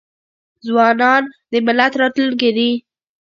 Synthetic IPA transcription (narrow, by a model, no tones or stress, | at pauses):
zwɑnɑnd̪əmɪlat̪ɾɑt̪lulked̪i